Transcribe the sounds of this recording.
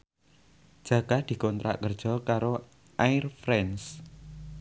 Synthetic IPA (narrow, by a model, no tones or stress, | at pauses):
d̥ʒ̥ä̤ɡ̥ad̪̥i̤kɔnt̪ɾa̰ʔkərd̥ʒ̥ɔ̤kaɾo | ʔaɪrfɾɛns